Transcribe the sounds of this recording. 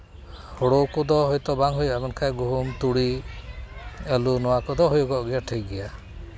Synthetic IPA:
hɔɽokɔd̪ɔɦɔjt̪ɔbaŋɦujamɔnkʰajɡuɦumt̪uɽi | elunɔwakɔd̪ɔɦojɔɡɔʔɡɛjaʈʰejɡɛja

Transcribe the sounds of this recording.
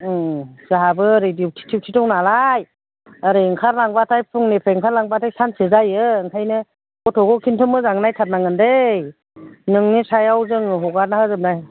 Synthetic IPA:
zɯɦabɯɾediwtʰi̥tʰiwtʰitɔŋnalaj | aɾiŋkʰaɾlaŋbatʰajpʰɯŋnipʰeŋkʰaɾlaŋbatʰajsʰansɯzajɯɯŋkʰajnɯ | kɔtʰɔɡɔkʰintʰɯmɯzaŋnajtʰat̚naŋɯndej | nɯŋnisajawzɯŋɯɦɔɡaɾ̚nahazɯp̚naj

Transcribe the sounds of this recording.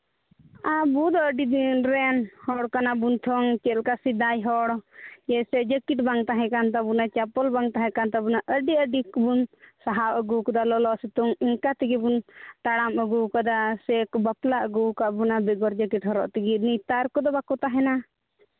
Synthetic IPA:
abud̪ɔəɖid̪iɾɛnhɔɽkanabunt̪ʰɔŋt͡ʃɛlkasid̪ajɦɔɽd͡ʒɛsɛd͡ʒəkiʈbaŋt̪aɦɛ̃kant̪abunat͡ʃapɔlbaŋt̪aɦɛ̃kant̪abunaʔəɖiəɖikbunsaɦawʔəɡukɔd̪alɔlɔʔsɛt̪uŋiŋkat̪iɡibunt̪aɽaməɡukad̪asɛkbaplaʔəɡukabunabɛɡɔɾd͡ʒəkiʈhɔɾɔ̰ʔt̪iɡinit̪aɾkɔd̪ɔbakɔt̪aɦɛna

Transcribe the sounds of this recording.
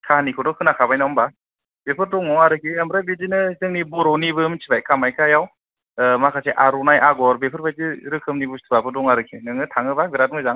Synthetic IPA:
kʰahanikʰɯdɔkʰɯnakʰabajnawmba | bepʰɯɾdɔŋɔŋaɾɯkʰiamɾabezinɯzɯŋnibɔɾɔnibɯmsʰibajkʰamajkʰajaw | makʰaseʔaɾunajʔaɡɔɾbepʰɯɾbajzɯɾɯkʰɯmnibustʰɯbapʰɯɾdɔŋaɾɯkʰinɯŋɯtʰaŋɯbaɡɯɾat̚mɯzaŋ

